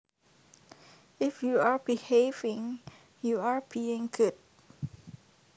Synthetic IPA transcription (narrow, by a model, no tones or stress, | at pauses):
ɪfjuabihevɪ̃ŋ | juaɹbiɪ̃ŋɡʊd̚